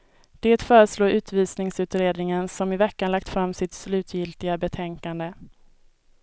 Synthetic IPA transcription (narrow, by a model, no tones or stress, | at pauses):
d̪̥eːt̪fœːɾəsloːɾʉ̟ːt̪viːsnɪŋsʉ̟ːt̪ɾeːd̪nɪŋənsɔmɪvɛkːanlak̚t̪fɾamːsɪt̪slʉ̟ːt̪ʰjɪlt̪ɪɡabɛt̪ʰɛŋkand̪ə